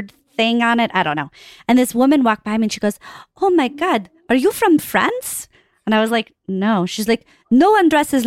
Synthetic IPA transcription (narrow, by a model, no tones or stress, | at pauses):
d̪̚θɪ̃ŋə̃nɪtaɪɾõʊ̃nːoʊɨ̃nðɪswʊmɨ̃nwɔk̚b̥aɪmiɨ̃nʃiɡoʊz̥oʊmaɪɡɑd | ə˞jɨfɹʌ̃ɱfɹɛ̰̃ndz̥ | ɨ̃naɪwʌzlaɪk̚ | noʊʃizlaɪk | noʊwʌ̃ndɹɛsɨz